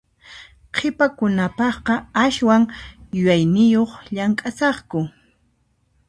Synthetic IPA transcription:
qʰɪpakʊnapɑχqɑaʃwaŋjʊjajnɪjoχʎaŋkʼasɑχkʊ

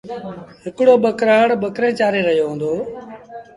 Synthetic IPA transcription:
ɦɪkɽoːɓəkɾaːɽɓəkɾẽːt͡ʃaːɾeːɾəɦijoːɦõːnd̪oː

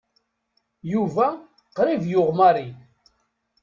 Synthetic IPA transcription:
juvæ | qɾivjʊʁmaɾi

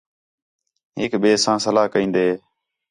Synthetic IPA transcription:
ɦɪːkɓeːsãːsəlaːɦkəĩːnd̪eː

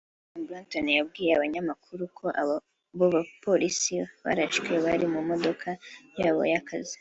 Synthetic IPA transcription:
blontonjab̚ɡiːjeaβaɲamakʰuɾukʰo̞ʔa | βoβapʰolisiβa̰ɾaʃɡieβaɾimumo̞d̪o̞kʰajaːβo̞̰jakʰazi̥

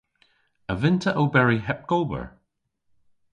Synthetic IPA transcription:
əvɪntʰəʔobɛɹiɦɛp̚koːbə̰ɹ

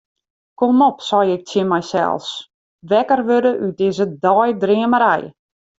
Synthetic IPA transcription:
komɔpsɔjɪk̚tjɪnmɛjsɛ̰lˠs | ʋɛkərʋødəʔyt̚dɪzədɔjdriəməɾɛ̰j

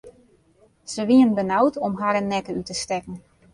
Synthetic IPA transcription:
z̥əʋiənbənawtɔmɦaɾɛnːɛkəytəstɛkn̩

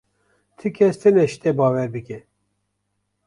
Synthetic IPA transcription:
t̪ʰɨkʰɛst̪ʰɨnɛʃt̪ɛbɑːwɛɾbɨkɛ

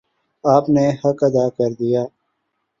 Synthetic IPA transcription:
aːpnehɐkɐd̪aːkəɾd̪ijaː

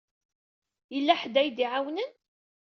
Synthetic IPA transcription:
jəlːæħd̪æjd̪iʕawnən

